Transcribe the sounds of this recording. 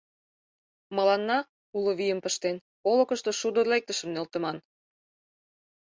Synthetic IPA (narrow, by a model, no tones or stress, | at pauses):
mə̆lɑnːɑ | uloβijəmpəʃt̪en | olɤ̆kə̆ʃt̪oʃud̪ə̆rlek̚t̪əʃə̆mnølt̪ə̆mɑn